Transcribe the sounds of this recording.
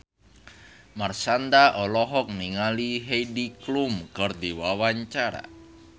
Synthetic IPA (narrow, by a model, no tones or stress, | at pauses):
marsand̪aʔɔlɔɦɔk̚niŋaliɦejdiklumkərd̪iwawaɲt͡ʃaɾa̰